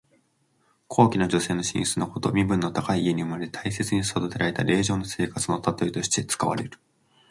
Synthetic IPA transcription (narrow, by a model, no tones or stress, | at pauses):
kʰo̞ːkʲinod͡ʑo̞se̞ːno̞ɕḭ̃ɰ̃ɕt͡sɨnoko̞t̪o̞mʲibɯ̟̃nːo̞t̪akaiːe̞ɲ̟iɯ̟maɾet̪ʰaise̞t͡sɨɲ̟issad̪ot̪e̞ɾaɾe̞t̪aɾe̞ːʑo̞ːnose̞ːkat͡sɨno̞t̪at̪o̞it̪o̞ɕi̥t̪e̞t͡sɨ̥kaβa̰ɾe̞ɾɯ̟